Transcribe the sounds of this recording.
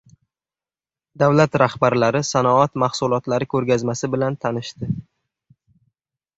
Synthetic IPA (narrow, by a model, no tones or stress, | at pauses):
d̪awlat̪ɾahbaɾlaɾɪsanɒɒt̪mahsʊlˠɒt̪laɾɪkʲʰɵɾɡʲazmasɪbɪlant̪ʰanɪʃt̪ɪ